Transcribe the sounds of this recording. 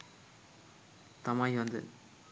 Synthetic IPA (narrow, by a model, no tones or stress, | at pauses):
t̪amajond̪ə̰